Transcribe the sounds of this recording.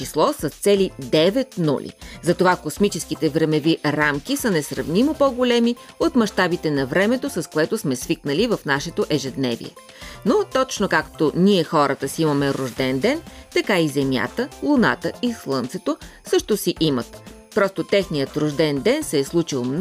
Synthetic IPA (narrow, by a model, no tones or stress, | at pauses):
t͡ʃislˠɔsɐst̪sɛlid̪ɛvɛt̪nṵlʲḭzɐt̪ovakosmit͡ʃɛskit̪ɛvɾɛmɛviɾamk̟isənɛsɾɐ̰vnʲimopoɡolɛmiot̪mɐʃt̪abit̪ɛnɐvɾɛmɛt̪osɐskoɛt̪ʊsmɛsviknəlivɐfnaʃɛt̪oʔɛʒɛd̪nɛvḭɛ̰ | not̪ɔt͡ʃnokakt̪oniɛxɔɾət̪əsiimɐmɛɾʊʒd̪ɛnd̪ɛnt̪ɐkaizɛmʲja̰t̪əlˠʊna̰t̪əislˠɤnt̪sɛt̪osɤʃt̪osiʔimət̪ | pɾɔst̪ot̪ɛxnijət̪ɾʊʒd̪ɛnd̪ɛnsɛːslˠut͡ʃilˠmn